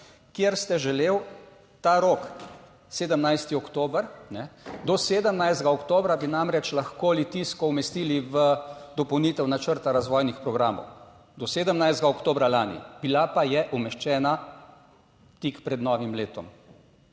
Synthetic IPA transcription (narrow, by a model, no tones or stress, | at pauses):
kjeɾst̪ɛʒɛleːw | t̪aɾoːk | seːd̪əmnajst̪iɔkt̪oːbəɾnɛd̪ɔseːd̪əmnajzd̪ɡaɔkt̪oːbɾabinamɾɛt͡ʃlaxkoːlit̪iskɔumɛst̪iːliʋəd̪ɔpɔwniːt̪ɛwnat͡ʃəɾt̪aɾazʋɔjnixpɾɔɡɾaːmɔ̰w | d̪ɔseːd̪əmnajzd̪ɡaɔkt̪oːbɾalaːnḭbilapajɛʔumɛʃt͡ʃɛːna | t̪ikpɾɛd̪nɔːʋimleːt̪ɔ̰m